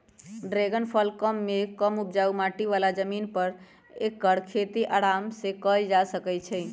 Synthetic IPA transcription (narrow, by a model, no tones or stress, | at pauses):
ɖɾeɡənpʰəlkəmːekəmup̚d͡ʒaumaʈiʋalad͡ʒəminpəɾ | ekːəɽkʰet̪iʔaɽamsekəjd͡ʒasəkɛt͡ʃʰɛ